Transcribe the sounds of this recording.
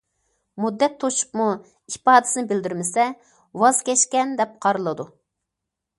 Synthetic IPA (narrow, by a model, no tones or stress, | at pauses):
mud̪ːɛt̪ʰːoʃu̥pmu | ipɑːd̪ɪ̥sɪnɪbɪld̪yɾmɪsɛ | wɑzkʲɛʃkʲɛnd̪ɛp̚qʰɑɾɨlˠɨd̪u